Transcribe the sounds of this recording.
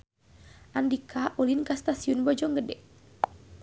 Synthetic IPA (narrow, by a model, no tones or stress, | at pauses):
ʔandikʰaʔulinkast̪asiunbɔd͡ʒɔŋɡədɛ